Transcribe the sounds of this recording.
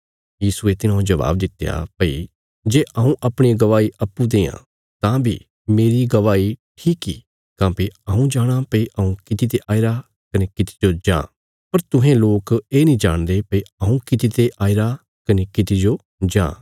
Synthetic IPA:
jiːsuet̪ɪnãd͡ʒɐʋa̰ːb̚d̪ɪt̪ːeja̰pəi | d͡ʒeːʔɐũʔɐpɽ̃iɡɐʋaːiʔɐpːud̪eːã̰ː | t̪ãbʱḭ | meːɾiɡɐʋaːiʈʰiːkḭː | kãːpiɐũd͡ʒaːɽ̃apɐiʔɐũkɪt̪it̪eʔaːiɾa | kɐnekɪt̪i̥d͡ʒod͡ʒã̰ː | pɐɾt̪ʊɦẽloːkeːnĩːd͡ʒa̰ːɽ̃d̪epəiɐũkɪt̪it̪eʔaːiɾa | kɐnekɪt̪id͡ʒoː | d͡ʒã̰ː

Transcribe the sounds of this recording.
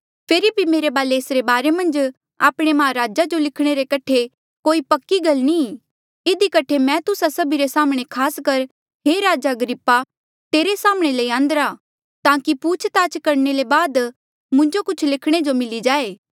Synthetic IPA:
pʰeːɾibʱimeːɾebaːleːsɾebaːɾemɐ̃nd͡ʒ | a̰ːpɽ̃emaːɾaːd͡ʒad͡ʒolɪkʰɽ̃eɾekɐʈʰe | koːipɐkːiɡɐlni | ɪd̪ikɐʈʰemɛ̃t̪ʊsasɐbʱiɾesaːmɽ̃ekʰaːskɐɾ | ɦeːɾaːd͡ʒaɡəɾɪpːa | t̪eːɾesaːmɽ̃eleiãːnd̪əɾa | t̪ãːkipuːt͡ʃʰt̪aːt͡ʃkɐɾnelebaːd̪ | mʊ̃ɲd͡ʒokʊt͡ʃʰlɪkʰɽ̃ed͡ʒomɪlid͡ʒaːeː

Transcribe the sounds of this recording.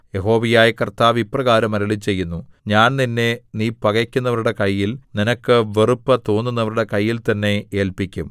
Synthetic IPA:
je̞ɦo̞ːʋijaːjɐkɐrt̪aːʋiprɐɣaːɾɐmɐɾɐɭit͡ɕːe̞jːunːuɲaːnninːe̞niːpɐɣɐkʲːunːɐʋɐɾuɽe̞kɐjːilninɐkːɨʋerupːɐt̪oːnːunːɐʋɐɾuɽe̞kɐjːilt̪ɐnːe̞e̞ːlpikʲːum

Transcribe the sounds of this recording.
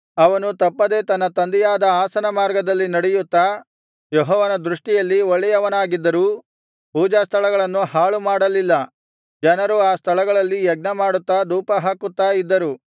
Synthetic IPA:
ɐʋɐnut̪ɐpːɐd̪e̞t̪ɐnːɐt̪ɐnd̪ɛjaːd̪ɐaːsɐnɐmaːɾɡɐd̪ɐlːinɐɽɛjut̪ːa | jɔɦɔːʋɐnɐd̪ɾuʂʈijɐlːiɔɭːɛjɐʋɐnaːɡid̪ːɐɾuː | puːd͡ʒaːst̪ʰɐɭɐɡɐɭɐnːuhaːɭumaːɽɐlilːɐ | d͡ʒɐnɐɾuaːst̪ʰɐɭɐɡɐɭɐlːijɛɡ̚nɐmaːɽut̪ːɐd̪uːpɐɦaːkut̪ːaːid̪ːɐɾu

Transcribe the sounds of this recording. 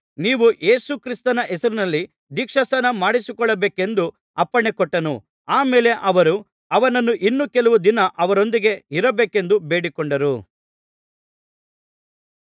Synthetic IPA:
niːʋuʔe̞ːsukɾist̪ɐnɐʔɛsɐɾunɐlːi | d̪iːkʂɐsɐnɐmaːɽisikɔɭːɐbeːke̞nd̪u | ɐpːɐɳekɔʈːɐnu | aːme̞ːle̞ʔɐʋɐɾu | ɐʋɐnɐnːuʔinːukɛlɐʋud̪inɐʔɐʋɐɾo̞nd̪iɡe̞iɾɐbeːke̞nd̪ubeːɽikɔɳɖɐɾu

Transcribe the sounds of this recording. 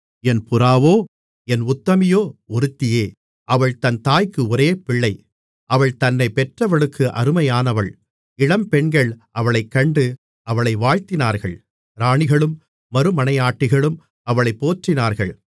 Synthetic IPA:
ɛnpʊɾaːʋoː | ɛnʊt̪ːɐmɪjoːɔɾɯt̪ːɪjeː | ʔɐʋɐɭt̪ɐnt̪aːjkːɯɔɾeːpɪɭːɐɪ | ʔɐʋɐɭt̪ɐnːɐɪpɛʈrɐʋɐɭɯkːɯʔɐ̰ɾɯmɐjaːnɐʋɐɭ | ɪɽɐmpɛɳɡɐɭʔɐʋɐɭɐɪkːɐɳɖɯ | ʔɐʋɐɭɐɪʋaːɻt̪ɪnaːɾɣɐ̰ɭ | ɾaːɳɪɣɐɭɯmː | ɐɾɯmɐnɐɪaːʈːɪɣɐɭɯm | ɐʋɐɭɐɪpːoːʈrɪnaːɾɣɐɭ

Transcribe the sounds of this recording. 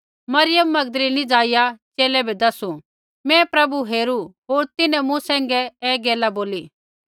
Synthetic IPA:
mɐɾɪjəmːɐɡd̪əlinĩd͡zaːɪjat͡ʃeːlɛbʱɛd̪ɐsu | mɛ̃pɾɐbuɦeːɾuɦoːɾt̪ɪnɛ̃mũsɛ̃ːŋɡɛɛːɡeːlaboːliː

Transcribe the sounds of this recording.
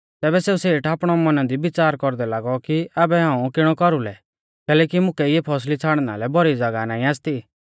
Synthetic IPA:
t̪ɛːbɛseːuseːʈaːpɽ̃ɔmɔnad̪ibɪt͡saːɾkɔɾd̪ɛlaːɡɔkiaːbɛɦãːũkɪɽ̃ɔkɔɾulɛ | kɛːlɛːkimʊ̃kɛɪjepʰɔs̬lit͡sʰaːɽ̃na̰lɛbɔɾid͡zɐɡanaːĩaːst̪i

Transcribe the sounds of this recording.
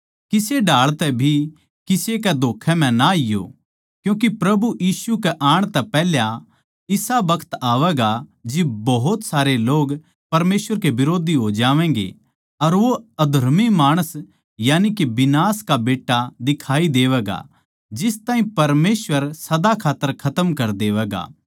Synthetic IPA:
kɪseɖaːɭt̪ɛbʱi | kɪsekɛd̪ʱoːkʰːɛm̤ɛ̃naɪjo̰ | kjũːk̬ipɾɐbujiːsukɛʔaːɽ̃t̪ɛpɛɦlja | ɪsabɐkʰə̥t̪aːʋɛːɡad͡ʒɪbɐɦʊt̪saːɾeloːɡ | pɐɾmeːsʋəɾkebɪɾoːd̪ʱiɦod͡ʒaːʋɛ̃ːɡḛ | ɐɾʋoɐd̪ʱɐɾmimaːɽ̃əs | jaːnikebɪnaːskabeːʈːad̪ɪkʰaːid̪eːʋɛːɡa̰ | d͡ʒɪst̪aːɦĩpɐɾmeːsʋəɾsɐd̪akʰaːt̪ːəɾkʰɐt̪əmkɐɾd̪eːʋɛːɡa̰

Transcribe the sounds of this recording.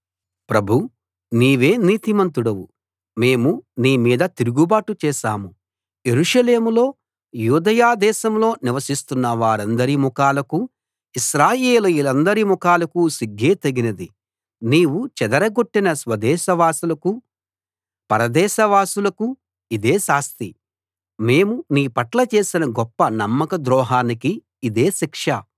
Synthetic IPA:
pɾɐbʱu | niːʋe̞ːniːt̪imɐnt̪uɽɐwu | me̞ːmuniːmiːd̪ɐt̪iɾuɡubaːʈut͡ʃɛːʃaːmu | je̞ɾuʂɐle̞ːmulo̞ː | juːd̪ɐjaːd̪ɛːʃɐmlo̞ːniʋɐsist̪unːɐʋaːɾɐnd̪ɐɾimukaːlɐku | iʃɾaːjeːluilɐnd̪ɐɾimukaːlɐkusiɡːeːt̪ɐɡinɐd̪i | niːwut͡ʃɛd̪ɐɾɐɡoʈːinɐsʋɐd̪ɛːʃɐʋaːsulɐku | pɐɾɐd̪ɛːʃɐʋaːsulɐku | id̪e̞ːsaːst̪i | me̞ːmuniːpɐʈlɐt͡ʃe̞ːsinɐɡɔpːɐnɐmːɐkɐd̪ɾɔːɦaːnikiː | d̪e̞ːʃikʂɐ

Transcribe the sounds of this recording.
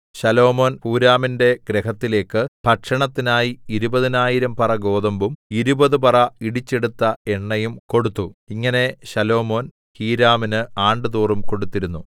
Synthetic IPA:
ɕɐlo̞ːmo̞ːnpuːɾaːminde̞ɡɾehɐt̪ːile̞ːkːɨpɐʈʂɐɳɐt̪ːinaːjiiɾubɐðinaːjiɾɐmpɐrɐɡo̞ːðɐmbumiɾubɐðɨpɐrɐiɽit͡ɕːe̞ɽut̪ːɐe̞ɳːɐjumko̞ɽut̪ːuiŋːɐne̞ɕɐlo̞ːmo̞ːn | hiːɾaːminɨaːɳɖɨðuːrumko̞ɽut̪ːiɾunːu

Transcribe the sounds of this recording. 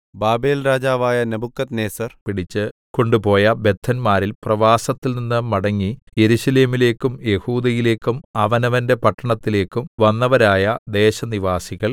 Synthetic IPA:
baːbe̞ːlraːd͡ʑaːʋaːjɐnɐbukːɐt̪neːsɐrpiɽit͡ɕːɨko̞ɳɖupo̞ːjɐbe̞t̪ʰːɐnmaːɾilprɐʋaːsɐt̪ːilninːɨmɐɽɐŋːi | je̞ɾuɕɐle̞ːmile̞ːkːumje̞huːd̪ɐjile̞ːkːumɐʋɐnɐʋɐnde̞pɐʈːɐɳɐt̪ːile̞ːkːumʋɐnːɐʋɐɾaːjɐd̪e̞ːɕɐniʋaːsiɣɐɭ

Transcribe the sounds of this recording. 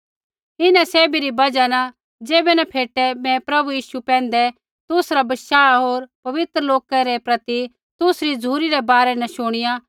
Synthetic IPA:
ɪnɛ̃seːbiɾibɐd͡ʒana | d͡ʒeːbɛnɐpʰeːʈɛmɛ̃pɾɐbujiːʃupɛ̃ːnd̪ɛ | t̪ʊsɾabɐʃaːɦoːɾpɐʋɪt̪ɾəloːkaɾɛpɾɐt̪i | t̪ʊsɾid͡zuːɾiɾɛbaːɾɛnɐʃʊɽ̃ɪja

